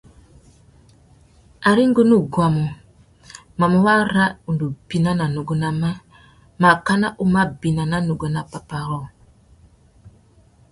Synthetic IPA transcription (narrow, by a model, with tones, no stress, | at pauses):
a˨ɾi˦ŋ˦ɡo˦nu˦ɡwa˨mo˨ | ma˨mo˨wa˦ɾa˦u˨ndu˨b̥i˨na˦na˨nu˨ɡo˨na˨ma˦ | ma˨ka˦na˦ʔu˦ma˦bi˨na˨na˦nu˨ɡo˨na˨pa˨pa˨ɾɔ˦˨